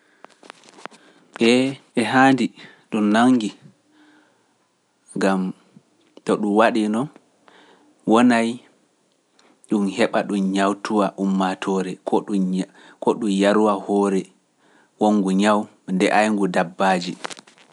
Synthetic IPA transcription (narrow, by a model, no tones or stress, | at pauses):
ɓɛɛɦaːndi | ɗumnaŋɡi | ŋɡam | tɔɗumwaɗinɔn | wɔnaj | ɗumhɛɓaɗumɲawtuwaʔumːatʰɔɾɛkʰɔɗu | kɔɗumjaɾuwahɔːɾɛ | woŋːɡuɲaw | ndɛʔajŋɡudabːaːd͡ʒi